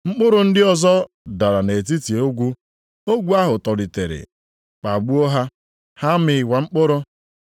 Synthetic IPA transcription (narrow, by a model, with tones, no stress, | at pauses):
ŋ͡m̩˦k͡pʊ˦ɾʊ˨n̩˦dɪ˦ɔ˨zɔ˦ | da˨ɾa˨ne˨t̬i˦ti˨o˦ɡʷu˦ | o˦ɡʷu˦a˦ɦʊ˨tɔ˨li˨te˨ɾɪ̰˨ | k͡pa˨ɡ͡bu˦o˦ɦa˦ | ha˦mɪ˨˦wa˨ŋ͡m̩˦k͡pʊ˦ɾʊ˦